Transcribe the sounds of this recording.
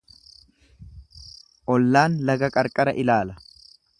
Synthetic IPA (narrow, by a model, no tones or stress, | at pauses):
ʔɔlːaːnlɐɡɐkʼɐɾkʼɐɾɐʔɪlaːlɐ